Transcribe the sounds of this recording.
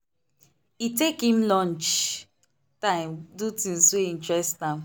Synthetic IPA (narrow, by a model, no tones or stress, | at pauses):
itekĩmlɔ̃nt͡ʃ | tãɪ̃mdutĩnsoĩntɹɛstãm